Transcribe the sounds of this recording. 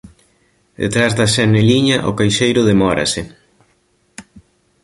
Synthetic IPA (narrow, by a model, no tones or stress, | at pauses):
d̪ḛt̪ɾazðɐsɛneliɲɐʔʊ̰kajʃejɾʊðemɔɾɐ̰sɪ